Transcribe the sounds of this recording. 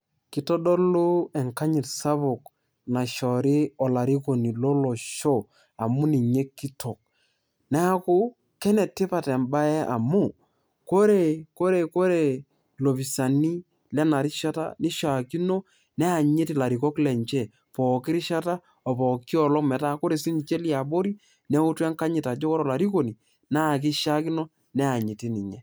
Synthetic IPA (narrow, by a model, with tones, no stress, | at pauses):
ki˦tɔ˦ɗɔ˦lu˦ɛ˨ŋka˦ɲɪ˨tsa˦βʊ˨k | na˨ʃɔ˨ɾi˦ɔ˨la˨ɾi˦ko˨ni˨lɔ˦lɔ˨ʃɔ˦ | a˨mu˦ni˨ɲe˦kːi˦tʰo˨k̚ | nɛ˦a˦kʊ˦ | kɛ˦nɛ˨tːɪ˦pa˨tɛ˨mba˦ɛ˦ʔa̰˨mu˦˨ | ko˦ɾe˨ko˦ɾe˨ko˦ɾe˨ | lo˨bi˨sa˨ni˦ | lɛ˦na˨ɾi˦ʃa˦ta̰˦ni˦ʃa˨ki˦no˦ | nɛ˦a˨ɲe˦ti˨la˨ɾi˨kɔ˦klɛ˨ɲt͡ʃɛ˦˨ | pɔ˨kɪ˦ɾɪ˦ʃa˦ta˦ | ɔ˨pɔ˨kːi˦ɔ˨lɔ˦kmɛ˨ta˦ko˦ɾe˨si˦n˨t͡ʃe˦li˦a˨bo˦ɾi˦ | nɛ˦u˦tɛ˦ŋka˦ɲɪ˨ta˨d͡ʒɔ˦kɔ˦ɾɔ˨la˨ɾi˦ko˨ni˨ | na˦˨k̬ɪ˦ʃa˦ki˦no˦ | nɛ˦a˨ɲi˨ti˦ni˨ɲe˦